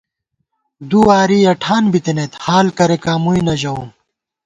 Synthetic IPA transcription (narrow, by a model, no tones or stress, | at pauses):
d̪uaːɾiːɐʈʰaːnbit̪inet̪haːlkɐɾekaːmujnɐʑɐũ